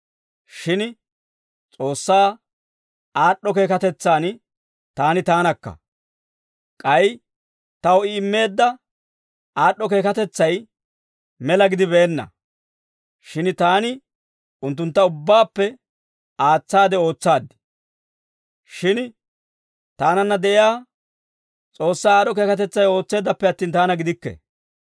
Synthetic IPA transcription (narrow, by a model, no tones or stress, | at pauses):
ʃɪn | t͡sʼo̞ːsːaː | aːɗːɔke̞ːkɐt̪ɛt͡sːaːn | t̪aːnɪt̪aːnɐkːɐ̰ | kʼɐj | t̪ɐwɪɪmːe̞ːd̪ːɐ | aːɗːɔke̞ːkɐt̪ɛt͡sːɐj | mɛlɐɡɪd̪ɪβeːnːɐ̰ | ʃɪnt̪aːnɪ | ʊnt̪̬ːʊnt̪ːɐʊbːaːpːɛ | aːt͡sːaːd̪ɛo̞ːt͡sːaːd̪ːɪ̥ | ʃɪn | t̪aːnɐnːɐd̪ɛʔɪjaː | t͡sʼo̞ːsːaːɗɔk̬e̞ːkɐt̪ɛt͡sːɐjo̞ːt͡sːe̞ːd̪ːɐpːɛɐt̪ːiːnt̪aːnɐɡɪd̪ɪkːɛ̰